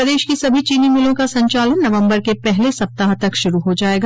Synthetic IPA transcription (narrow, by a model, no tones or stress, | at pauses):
ɐd̪eːʃkisɐbʱit͡ʃiːnimɪlõkasɐ̃ɲt͡ʃaːlənːɐʋə̃mbəɾkepɛɦlesɐp̚t̪aɦt̪ɐkʃʊɾuɦod͡ʒaːeːɡa